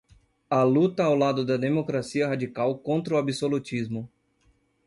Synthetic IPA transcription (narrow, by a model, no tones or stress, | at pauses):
ɐlut̪ɐawlad̪ʊd̪ɐd̪emokɾasiɐɦad͡ʒikawkõnt̪ɾɐʊabisolut͡ʃizmʊ